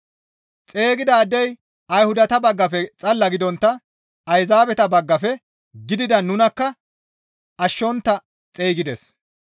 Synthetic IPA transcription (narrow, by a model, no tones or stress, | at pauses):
t͡sʼe̞ːɡɪd̪aːd̪ːɛj | ɐjhʊd̪ɐt̪ɐbɐɡːɐfɛt͡sʼɐlːɐɡɪd̪ɔnt̪ːɐ | ɐjzaːbɛt̪ɐbɐɡːɐfɛ | ɡɪd̪ɪd̪ɐnʊnɐkːɐ | ɐʃːɔnt̪ːɐ | t͡sʼeːɡɪd̪ɛs